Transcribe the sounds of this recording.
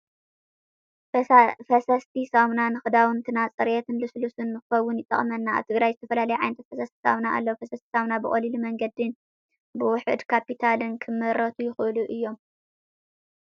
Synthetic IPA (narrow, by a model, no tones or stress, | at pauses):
fɐsɐst̪ʰisamnanɨxɨd̪awɨnt̪ʰɨnat͡sʼɨɾjet̪ʰɨnlɨslusɨnːɨxɨxɐwːʊnjɪt̪ʼːɐ̰χʼmɐnːaa̰βt̪ʰɨɡɾajzɨt̪ʰɐfɐlalɐjuʕajnɐt̪ʰɐt̪fɐsɐst̪ʰi̥sa̰wnaʔa̰lːɐwfɐsɐst̪ʰi̥sawnabɨχʼɐlilumɐŋɡɐd̪ɨn | bɨwʊħɨ̰d̪kʰapit̪ʰalɨnkʰɨmːɨɾɐt̪ʰujɪxʔɨluʔɨjːo̞m